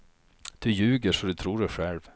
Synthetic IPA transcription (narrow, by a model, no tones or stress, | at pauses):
d̪̥ɵjʉːɡəʂɔd̪ɵt̪ʰɾuːɖɛɧɛlv